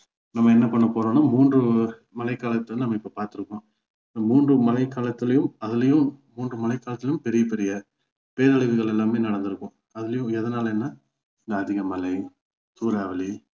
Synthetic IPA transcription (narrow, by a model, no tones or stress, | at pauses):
nɐmːɐɛnːɐpɐɳːɐpoːɾõːnaːmuːndrɯ | mɐlɐɪkːaːlɐt̪ːɐnɐmːɐɪpːopaːɾt̪ɯɾɯkːõː | ɪnd̪ɐmuːndrɯmɐlɐɪkːaːlɐt̪ːɪlɐjɯmɐðɪlɐjɯ̃mmuːndrɯmɐlɐɪkːaːlɐt̪ːɪlɐjʊmpɛɾɪjɐpɛɾɪjɐ | peːɾɐɭɪʋɯɣɐɭɛlːaːmeːnɐɽɐnd̪ɯɾɯkːõː | ɐðɪlɐjʊ̃ɛðɐnaːlɛnːɐ | ɪnd̪ɐːðɪɣɐmɐlɐɪ | t̪uːɾaːʋɐli